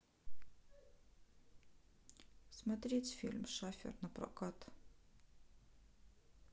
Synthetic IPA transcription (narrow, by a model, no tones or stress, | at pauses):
smɐt̪ɾʲetʲfʲḭlʲmʂafʲɪ̰rnɐpɾɐ̰kat̪